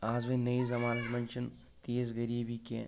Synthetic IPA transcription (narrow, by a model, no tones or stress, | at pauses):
aːzʋɐnɐizɐmaːnɐt̪mɐ̃nt͡ʃən | t̪eːzɡɐɾiːbikḛ̃